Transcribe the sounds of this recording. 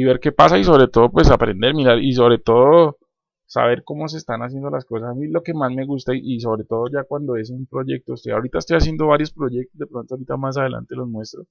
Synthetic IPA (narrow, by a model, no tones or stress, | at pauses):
iβe̞ɾke̞pasais̬o̞βɾe̞t̪o̞ð̞opwe̞sapɾe̞̰nd̪e̞ɾmiɾaɾis̬o̞βɾe̞t̪o̞ð̞o | sa̰βe̞ɾko̞mo̞s̬e̞st̪anas̬je̞nd̪o̞lasko̞sasamilo̞ke̞mazme̞ɣust̪aiʔis̬o̞βɾe̞t̪o̞ð̞oʝakwand̪o̞e̞s̬umpɾo̞ʝe̞k̚t̪oːseaoɾit̪aest̪ojas̬je̞nd̪o̞βaɾjo̞spɾo̞ʝe̞k̚t̪o̞zd̪e̞pɾo̞nt̪oaoɾit̪amas̬að̞e̞la̰nt̪e̞lo̞zmwe̞st̪ɾos